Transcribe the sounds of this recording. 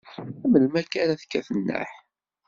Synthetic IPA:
æməlmækænæθkːæθənːə̰ħ

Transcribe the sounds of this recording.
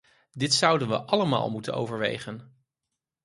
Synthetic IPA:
dɪtsʌwdənʋə̰ʔɑləma̰ːlˠmutə̰no̰wvəɹʋḛjχən

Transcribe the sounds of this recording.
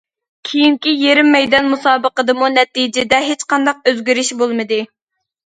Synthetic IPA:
kʲʰijiŋkʲijeɾɪmːɛjd̪ɑnmusɑːbəqəd̪ɨmunɛt̪id͡ʒɪd̪ɛɦet͡ʃqɑnd̪ɑq̚øzɡʲyɾyʃbolˠmɨd̪ɨ

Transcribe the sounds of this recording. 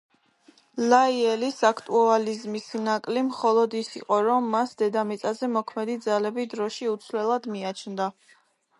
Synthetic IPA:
laiɛlisakʰt̪ʼualizmisnakʼlimχɔlˠɔd̪isiqʼɔɾɔmːasd̪ɛd̪amit̪sʼazɛmɔkʰmɛd̪id̪zalɛbid̪ɾɔʃiut̪sʰlɛlˠad̪miat͡ʃʰnd̪a

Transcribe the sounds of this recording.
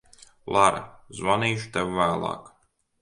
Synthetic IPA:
lˠaɾ̰zɔniːʃu̥t̪ɛwːæːlˠɑ̰ːk

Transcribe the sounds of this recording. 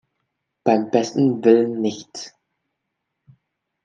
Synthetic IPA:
b̥aɪmbɛstn̩vɪlənːɪçt

